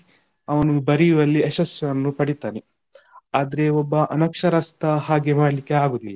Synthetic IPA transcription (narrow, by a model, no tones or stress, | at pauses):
ɐʋɐnubɐɾijuʋɐlːieʃɐsjɐʋɐnːupɐɽit̪aːne | aːd̪ɐɾe̞ɔbːɐʔɐnɐkʂɐɾɐst̪ɐhaːɡemaːɽɐlikːeaːɡoːd̪ilːɐ